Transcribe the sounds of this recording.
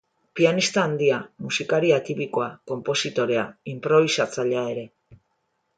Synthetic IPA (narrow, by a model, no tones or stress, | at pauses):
pianist̪aːnd̪iamusikaɾiat̪ipiko̞ako̞mpo̞sit̪o̞ɾe̞aimpɾo̞β̞isat͡saʎeae̞ɾe̞